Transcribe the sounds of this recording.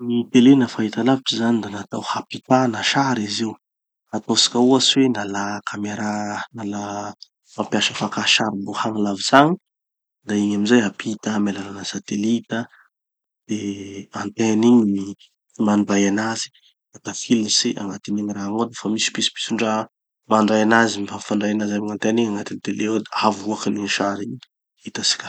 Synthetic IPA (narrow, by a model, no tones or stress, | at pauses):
nit̪elenafaɦit̪alaviʈ͡ʂizanid̪anat̪awhapit̪anaʃaɾizi | at̪osḁkʲauaswenalakʰameɾanala | mampjaʃəfakaʃaɾibohaŋalaviz̥aŋi | d̪aiɲamizajɦapʰit̪amelalanəsat̪elit̪ə | d̪̥eant̪eniɲii | manibajanazi̥ | ak̪afilisiʔa̰ŋat̪iniŋiraŋod̪afamisi̥pisi̥pi̥siɳɖ͡ʐa | maɳɖ͡ʐajanazimfafaɳɖ͡ʐajanazamiŋant̪eniŋaŋat̪init̪eleod̪aavuakaniʃaɾi | it̪asi̥kʲḁ